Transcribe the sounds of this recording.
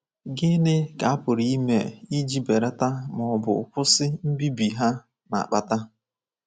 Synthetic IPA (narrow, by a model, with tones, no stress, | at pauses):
ɡɪ˦ne˦ka˨a˦pʊ˨ɾi˨˦i˦mḛ˨i˦d͡ʒi˦be˨ɾa˦ta˦mɔ˨bʊ̰˨kʊ˦sɪ˦m̩˦bi˦bi˨ɦa˦ | na̰˨a̰˨k͡pa˨ta˦